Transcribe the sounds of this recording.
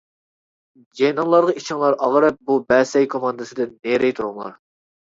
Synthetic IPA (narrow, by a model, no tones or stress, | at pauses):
d͡ʒɛjnɑŋlˠɑɾʁɑit͡ʃʰɪŋlˠɑɾɑʁɾɛp̚bubɛsɛjkʰomɑnd̪ɨsɨd̪ɪnneɾɛjt̪ʰuɾumlˠɑ̰ɾ